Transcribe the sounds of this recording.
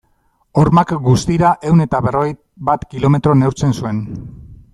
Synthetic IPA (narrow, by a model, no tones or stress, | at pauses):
o̞ɾmakɡust̪iɾaʔe̞wne̞t̪aβe̞ro̞ɣej | bat̪kilo̞me̞t̪ɾo̞ne̞wɾt͡se̞nsue̞n